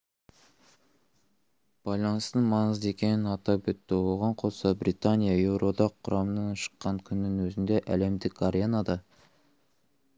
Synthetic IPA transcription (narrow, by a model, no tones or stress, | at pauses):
b̥ɑjlˠɑnəst̪əɴmɑnəze̞kʲe̞nɪnɑt̪ɑbʏt̪ːɪwo̞ʁɑɴqʰo̞sɑbɾit̪anʲijɑe̞wɾo̞d̪ɑqʰːʊɾʔɑmənɑnʃə̥qːɑŋkʲʰʏnːɪŋwɵzɪnd̪e̞ʔæle̞md̪ɪkʰaɾʲenɑd̪ɑ